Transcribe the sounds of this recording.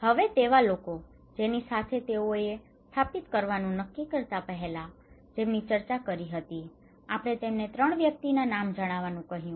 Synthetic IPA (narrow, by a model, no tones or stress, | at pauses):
həʋet̪eʋaloko | d͡ʒenisat̪ʰet̪eoe | st̪ʰapit̪kəɾʋanũnəkːikəɾt̪apəɦelad͡ʒemnit͡ʃəɾt͡ʃakəɾiɦət̪i | apɽ̃et̪emnet̪ɾəɳ̃ʋjək̚t̪inanamd͡ʒəɽ̃aʋanũkəɦjũ